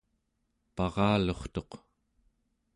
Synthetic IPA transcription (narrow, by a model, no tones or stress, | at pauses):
pɑʁɑːlo̞χt̪o̞q